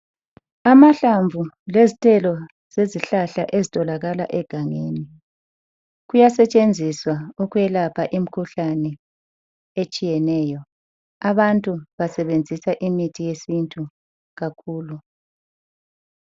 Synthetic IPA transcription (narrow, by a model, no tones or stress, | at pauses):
amaɬaɱvʱu | lezitʰʼɛlɔ | z̥eziɬaɬaʔezitʼɔlaɣala̰ʔɛɡ̥ʱaŋeni | ɣujasɛt͡ʃʼend͡zʱiswauɣuɛlapʰaʔim̩kʰuɬanɛ | et͡ʃʼijɛnɛjɔ | aβantʼuβasɛβend͡zʱisaʔimitʰijesintʼu | ɣakʰuːlu